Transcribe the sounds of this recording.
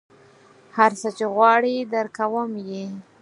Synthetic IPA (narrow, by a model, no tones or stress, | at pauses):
haɾsət͡ʃeɣwɑɽid̪əɾkawəmje